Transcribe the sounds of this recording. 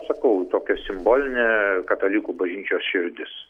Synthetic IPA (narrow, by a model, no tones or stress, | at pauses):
sɐkɐʊt̪oːkʲɛsʲɪmboːlʲɪnʲɛkɐt̪ɐlʲiːkuːbɐʒʲnʲiːt͡ʃʲoːsʃʲɪɾʲd̪ʲɪs